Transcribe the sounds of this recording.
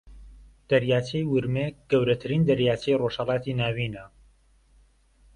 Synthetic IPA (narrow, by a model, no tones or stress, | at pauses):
d̪̥ɐɾjaːt͡ʃʰejwʊɾmeɡ̥ɐwɾɐt̪ʰɨɾiːnd̪ɐɾjaːt͡ʃʰejroʃhɐlɑːt̪iːnaːwiːnɐ